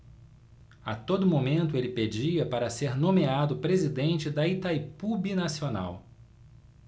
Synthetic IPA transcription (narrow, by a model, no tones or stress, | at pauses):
ɐt̪od̪ʊmomẽnt̪ʊelɪped͡ʒiɐpaɾɐseɾnõmead̪ʊpɾezid̪ẽnt͡ʃɪd̪ɐit̪ajpubinasiona̰w